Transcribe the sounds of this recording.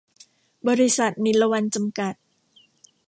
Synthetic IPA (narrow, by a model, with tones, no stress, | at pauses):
bɔː˧ɾi˦˧sa˨˩t̪̚ni˨˦nla˧wa˧nt͡ɕa˧mka˨˩t̪̚